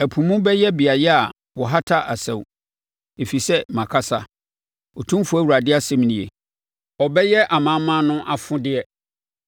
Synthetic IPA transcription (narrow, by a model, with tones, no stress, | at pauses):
æ˨pʰũ˨mũ˦bɛ˦jɛ˦bi˨a˨jɛ˦a˨ | wɔ˨ɦa˦tʰa˦ʔa˨sɛ̰̃˨w | e˨fi˨sɛ˦mã˨kʰa˦sa˦ | ɔ˨tʰũ˦m˦fu˦æ˦wu˨ɾa˨dɪ˦a˦sɛ̃˦m˦nĩ˨ḛ˨ | ɔ˨bɛ˦jɛ˦ʔa˨mã˨˦mːã˦nʊ̃˦ʔa˨fʊ̃˦dɪ˦ɛ˦